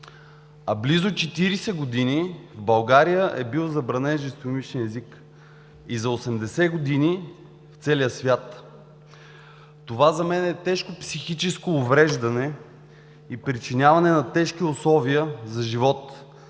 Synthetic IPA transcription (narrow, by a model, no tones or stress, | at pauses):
ɐblizʊt͡ʃɛt̪iɾisɛɡod̪inivbɐlˠɡaɾijəʔɛbilˠzɐbɾɐnɛnʒɛst̪omit͡ʃniɛzik | izɐosɛmd̪ɛsɛɡod̪ini | ft̪sɛliəsvʲjat̪ | ovazɐmɛnɛt̪ɛʃkopsixit͡ʃɛskoːvɾɛʒd̪ɐnɛ | ipɾit͡ʃinʲavɐnɛnɐt̪ɛʃk̟iʊslˠɔviəzɐʒivɔt̪